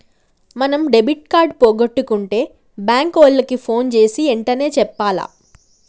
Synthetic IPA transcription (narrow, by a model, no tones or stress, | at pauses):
mɐnɐmɖebiʈ̚kaːɾɖpoːɡɐʈːukuɳʈe̞ː | baːŋkoːlːɐkipʰoːnt͡ʃe̞ːsiɛɳʈɐne̞ːt͡ʃɛpːaːla̰ː